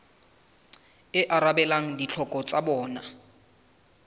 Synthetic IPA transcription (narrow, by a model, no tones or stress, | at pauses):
ɪʔaɾabɛlaŋ̩dit͡ɬʰɔkʼɔt͡sʼabɔːna